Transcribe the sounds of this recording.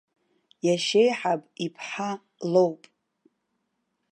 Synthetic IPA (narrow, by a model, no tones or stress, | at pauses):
jaʃe̞jħapʼipʰħa | lowpʼ